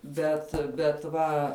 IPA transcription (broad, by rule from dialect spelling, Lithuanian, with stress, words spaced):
ˈbʲɛt bʲɛt ˈʋɐ